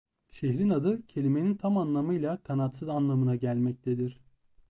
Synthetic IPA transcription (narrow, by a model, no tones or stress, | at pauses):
ʃeɦɾinad̪ɯcʰe̞lʲime̞nint̪ʰamanlˠamɯjlˠakʰanat̪sɯzanlˠamɯnaɟælʲmɛc̚t̪ʰed̪iɾ̥